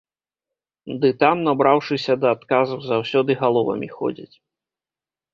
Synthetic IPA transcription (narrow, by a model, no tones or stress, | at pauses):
d̪ɨt̪amnabɾawʂɨsʲɐd̪ɐːt̪kazuwzawsʲɔd̪ɨɣalˠɔvɐ̰mʲḭxɔ̰d͡zʲḭt͡sʲ